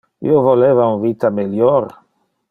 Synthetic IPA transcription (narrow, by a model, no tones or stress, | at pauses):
ḭovolevaunvit̪ameljor